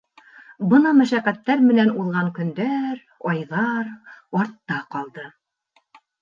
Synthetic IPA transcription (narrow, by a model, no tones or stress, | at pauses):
bɤnɑmæʃæʁæt̪ːæɾmɘ̆nænuðʁɑŋkɵ̆nd̪æɾ | ɑjðɑɾɑɾt̪ːɑqɑlˠd̪ɤ